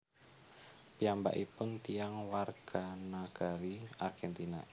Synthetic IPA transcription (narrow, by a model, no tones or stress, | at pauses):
piamba̰ʔipʊnt̪iaŋwarɡ̥anaɡ̥aɾiarɡ̥ɛnt̪ina̰